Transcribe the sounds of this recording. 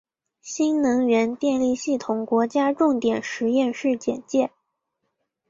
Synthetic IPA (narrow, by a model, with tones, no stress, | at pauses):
ɕi˥nnɤ˧˥ŋɥɛ˧˥nt̪jɛ˥˧nli˥˧ɕi˥˩t̪ʰʊ˨˩ŋkwɔ˧˥t͡ɕja˥ʈ͡ʂʊ˥˩ŋt̪jɛ˨˩nʂɻ̩˧˥jɛ˥˧nʂɻ̩˥˩t͡ɕjɛ˨˩nt͡ɕjɛ˥˩